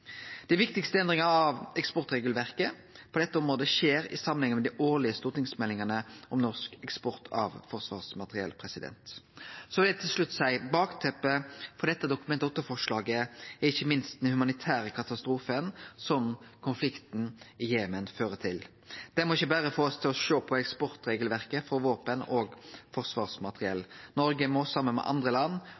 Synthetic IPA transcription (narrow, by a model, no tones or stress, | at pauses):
d̪̥æɪʋɪkt̪ɪkst̪əɛnd̪ʁɪŋɑɑʋɛkspɔʁt̪ʁeːɡlʋæʁkə | pʰɔd̪ɛt̪ːəɔmʁoːd̪əʃeːɾɪ̰sɑmənhɪŋːəmɛd̪ɪʔoːlɪəst̪uːʁt̪ɪŋsmɛlːɪŋənəʔɔmnɔʁskɛkspɔʁt̪ʰɑ̰ʋfɔʁsʋɑ̰ːʁsmɑt̪əʁɪɛ̰lpʰʁɛsɪd̪ɛ̰nt̪sɔʋɪld̪ɛt̪ʰɪlʂlʉt̪ːsæɪbɑːkt̪ʰɛpːəfɔd̪ɛt̪ːəd̪ʊkʉmɛnt̪ɔt̪ːəfɔʂlɑːɡəæʁɪçːəmɪnst̪nhʉmɑnɪt̪ʰæːɾəkʰɑt̪ɑst̪ɾuːfənsɔmkʰʊnflɪkt̪nɪjeːmənføːɾət̪ʰɪl | d̪̥ɛmɔɪçːəbæːɾəfoːɔst̪ʰɪlɔʃoːpʰɔɛkspɔɾt̪ɾeːɡəlʋæʁkəfɔɾʋoːpənɔːɡfɔʁsʋɑːʁsmɑt̪əʁɪɛlːnɔɾɡəmɔsɑmːənmɛ̰ʔɑ̰nd̪ʁəlɑnː